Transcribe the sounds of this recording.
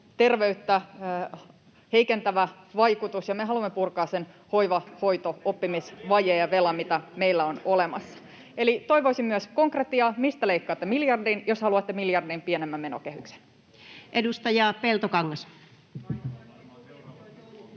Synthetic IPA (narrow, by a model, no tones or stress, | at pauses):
t̪e̞rʋeyt̪ːæ | he̞ikent̪æʋæ | ʋɑjkut̪usjɑmeɦɑlumːepurkɑːssen | ho̞iʋɑho̞it̪oopːimisʋɑjejjɑʋe̞lɑmit̪æme̞ilːæono̞lemɑsːɑ̥ | elit̪o̞iʋoisimːyəsko̞ŋkret̪ːiɑmist̪æleikːɑːt̪ːemiljɑrdinjoshɑluɑt̪ːemiljɑrdimpienemːæmːe̞nokehykse̥n | ʔedust̪ɑjɑˑpelt̪okɑŋːɑs